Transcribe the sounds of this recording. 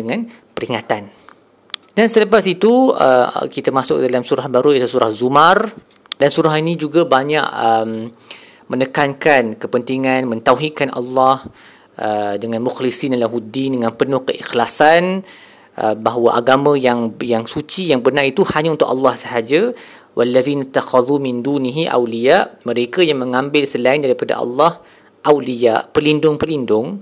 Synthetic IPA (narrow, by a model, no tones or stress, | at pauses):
dəŋãn | pəɾiŋat̪an | dansələpasit̪uə̰kit̪amasʊk̚dalamsuɾahbaɾuilasuɾahzumar | dansuɾaɦinĩd͡ʒuɡabaɲa̰ʔəm | mənəkankankəpənt̪iŋãnmə̃nt̪awɦikanʔa̰lːɑh | ʔədəŋãnmuxlisinalaɦudindəŋãnpənʊhkəʔixlasan | ʔəbaɦwaʔaɡamãjaŋjaŋsut͡ʃijaŋbərnãʔit̪uhaɲaunt̪ʊkʔɑ̰lːɑhsəɦad͡ʒa | wʔalːaðiːnat̪ːaxɑðˤumɪnd̪uniɦiʔa̰wlijaʔmə̃ɾekajaŋmə̃ŋãmbɪlsəlaindaɾipada̰ʔɑ̰lːɑh | ʔawlijaʔpəlindʊŋpəlindʊŋ